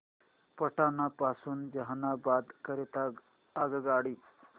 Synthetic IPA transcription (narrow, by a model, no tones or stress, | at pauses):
pəʈaːnapaːsund͡ʒɐɦanabaːd̪kəɾet̪a | aɡɡaːɽiː